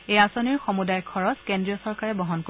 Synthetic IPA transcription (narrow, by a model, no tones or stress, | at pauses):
ejasoniɹxomudajkʰɔɹɔskendɹijɔsɔɹkaɹɛbɔɦɔnk